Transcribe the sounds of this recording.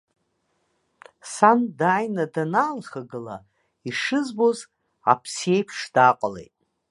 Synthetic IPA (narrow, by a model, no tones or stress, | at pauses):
sandaːjnadanaːlχaɡɨla̰ | iʂɨzboz | a̰pʰsie̞jpʰʂd̥aqʷʼalḛjtʼ